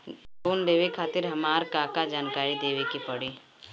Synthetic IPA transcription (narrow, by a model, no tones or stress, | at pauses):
koːnd̪eːʋekʰaːt̪ɪɾɦɐmaːɾkaːkad͡ʒaːnkaːɾid̪eːʋekipɐɽiː